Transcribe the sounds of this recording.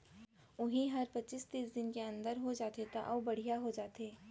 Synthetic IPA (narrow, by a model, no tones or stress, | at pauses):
ʊɦĩɦɐɾpɐtːt͡ʃɪst̪iːsd̪ɪnkeɐ̃nd̪əɾɦod͡ʒaːt̪et̪aʔɔːbɐɽ̤ijaɦod͡ʒaːt̪eː